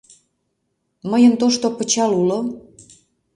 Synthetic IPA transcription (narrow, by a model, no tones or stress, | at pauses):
məjənt̪oʃt̪opət͡ɕɑlulo